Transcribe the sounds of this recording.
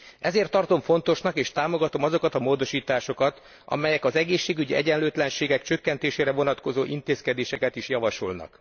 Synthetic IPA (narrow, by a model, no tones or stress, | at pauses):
ʔɛzeːrt̪ːɒrt̪o̞ɱfo̞nt̪o̞ʃnɒkeːʃt̪aːmo̞ɡɒt̪o̞mɒzo̞kɒt̪ɒmoːd̪o̞ʃiːt̪aːʃo̞kɒt̪ | ɒ̰mɛjɛkɒzɛɡeːʃːeːɡyɟiʔɛ̰ɟɛnløːt̪lɛnʃeːɡɛkt͡ʃø̞kːɛnt̪eːʃeːɾɛvo̞nɒt̪ko̞zoːʔint̪eːskɛd̪eːʃɛkɛt̪iʃjɒvɒʃo̰lnɒ̰k